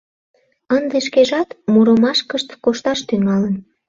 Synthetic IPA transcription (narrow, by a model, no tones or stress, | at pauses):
ənd̪eʃkeʒɑt̪muɾomɑʃkəʃt̪koʃt̪ɑʃt̪yŋɑlən